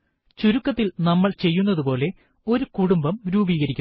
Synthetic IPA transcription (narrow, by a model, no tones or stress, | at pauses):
t͡ɕuɾukːɐt̪ːilnɐmːɐɭt͡ɕe̞jːunːɐðupo̞ːle̞ | o̞ɾukuɽumbɐmɾuːbiːɣɐɾikʲːu